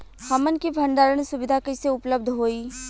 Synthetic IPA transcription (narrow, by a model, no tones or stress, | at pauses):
hɐmənkibʱɐ̃ɳɖ̪aːɾəɽ̃sʊʋɪd̪ʱakiseʊpləb̚d̪ʱɦoːiː